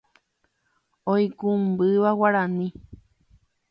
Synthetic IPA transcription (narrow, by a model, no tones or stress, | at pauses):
ojkumbɨʋawaɾãnĩ